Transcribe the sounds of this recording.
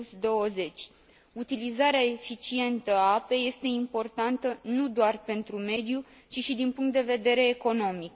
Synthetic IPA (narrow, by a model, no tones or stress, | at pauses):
sd̪o̞əze̞t͡ʃʲ | ut̪ilizaɾeaefit͡ʃie̞nt̪əape̞je̞st̪e̞impo̞rt̪ant̪ənud̪oarpe̞nt̪ɾume̞d̪ju | t͡ʃiʃid̪inpuŋkt̪d̪e̞ve̞d̪e̞ɾe̞ːko̞no̞mik